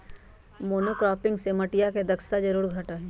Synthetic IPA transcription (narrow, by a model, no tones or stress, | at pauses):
moːnokɾɔːpɪ̃ŋɡsemɐʈijaked̪ɐkst̪ad͡ʒɐɾuːɾɡʱɐʈaɦɛ